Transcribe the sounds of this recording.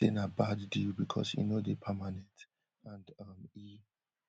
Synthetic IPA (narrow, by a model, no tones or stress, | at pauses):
ḭ̃nəbadːilbikʰɔ̰sjḭnodepʰəmanɛ̃nt | ãndʌmi